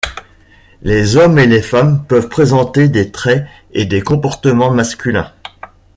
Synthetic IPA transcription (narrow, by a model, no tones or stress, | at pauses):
lezɔmelefampœvpχezɑ̃t̪ed̪et̪χɛ | ed̪ekɔ̃pɔʁt̪əmɑ̃maskʲylɛ̰̃